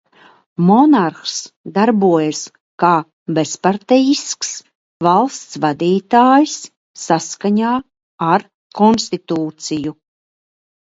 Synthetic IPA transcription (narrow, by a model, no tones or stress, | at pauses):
mɔnaɾxsd̪aɾbuɔjas | kaː | bespaɾt̪ɛjisks | valˠst̪svad̪iːt̪aːjsː | askaɲaː | aɾ | kɔnst̪it̪uːt̪siju